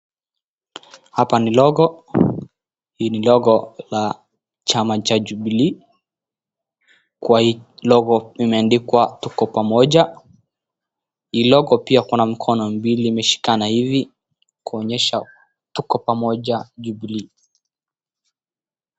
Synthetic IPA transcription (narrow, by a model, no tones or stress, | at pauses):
hapanilɔɣɔ | hiːnilɔɣɔla | t͡ʃamat͡ʃaʄubli | kuwahilɔɣɔimɛandikwatukɔpamɔʄa | hiːlɔɣɔpiakunam̩kʰɔnɔm̩biliːmɛʃi̥kanahivi | kuɔɲɛʃa | tukɔpamɔʄaʄubli